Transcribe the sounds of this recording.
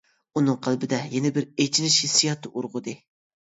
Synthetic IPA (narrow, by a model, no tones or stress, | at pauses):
unɨŋqʰəlˠbɪd̪ɛjɛnɪbɪɾet͡ʃʰinɪʃisijɑt̪ʰːɨʔuɾʁʊd̪ɨ